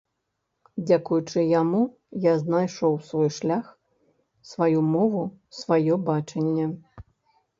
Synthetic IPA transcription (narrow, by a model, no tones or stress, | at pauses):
d͡zʲakujut͡ʂɨjamu | jaznajʂɔwsvɔjʂlʲax | svajumɔvusvajɔbat͡ʂɐnʲːɛ